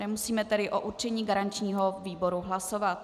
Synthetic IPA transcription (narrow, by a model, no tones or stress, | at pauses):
ɛmusiːmɛt̪ɛdɪʔoʔut͡ʃɛɲiːɡaɾant͡ʃɲiːɦoviːbo̞ɾuɦlaso̞vat̪